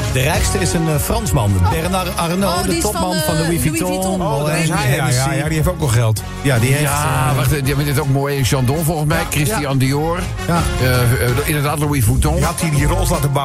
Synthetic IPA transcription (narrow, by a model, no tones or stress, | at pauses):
dərɛjkstəɪsənfrɑnsmɑnbɛrnarnoːdətɔp̚mɑnfɑndəwifitɔnɔɛʒɛsijadiheftoːknɔχɛlˠt | jadijaʋaχtavɪnɪtoːk̚mojɪʃɑndõfɔlˠɣən̩smɛjkrɪstiɑndioːr | ɪndədaːtləwifutɔ̃atidirɔlslaːtəba